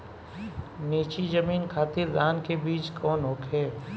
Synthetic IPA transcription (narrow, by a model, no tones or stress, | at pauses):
niːt͡ʃid͡ʒəmiːnkʰaːt̪ɪɾd̪aːnkebiːt͡ʃkʰɔːnɦoːkɦɛː